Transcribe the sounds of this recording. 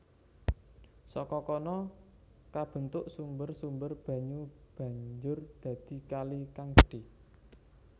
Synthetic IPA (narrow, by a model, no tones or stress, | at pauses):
sɔkɔkɔnɔ | kab̥ə̤nt̪ʊʔsumbərsumbərb̥ä̤ɲub̥ä̤ɲd͡ʒʊrd̪̥ä̤d̪̥i̤kalikaŋɖ̥e̤